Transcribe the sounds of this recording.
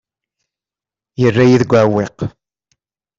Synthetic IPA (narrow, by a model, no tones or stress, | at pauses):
jərːæjiðɡʷæweq